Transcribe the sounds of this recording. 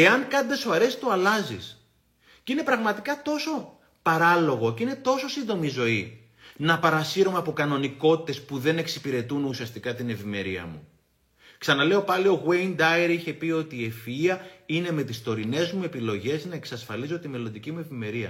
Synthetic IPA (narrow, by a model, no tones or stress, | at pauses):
e̞ɐŋkɐnd̪esovɐɾe̞si̥t̪uɐlɐzḭs | cine̞pɾɐɣmɐt̪ikɐt̪o̞so̞ | pɐɾɐlo̞ɣo̞cine̞t̪o̞so̞sind̪omizo̞i | nɐpɐɾɐsiɾomeɐpo̞kɐno̞niko̞t̪i̥t̪e̞spuðe̞ne̞ksipiɾe̞t̪unusiɐst̪ikɐt̪ine̞vime̞ɾiɐ̰mu | ksɐnɐle̞o̞pɐlio̞ɣweind̪ɐeɾiçe̞pio̞t̪ie̞fiɐine̞me̞t̪ist̪o̞ɾine̞zmue̞pilo̞ʝe̞znɐe̞ksɐsfɐlizo̞t̪ime̞lo̞nd̪icimue̞vime̞ɾiɐ̰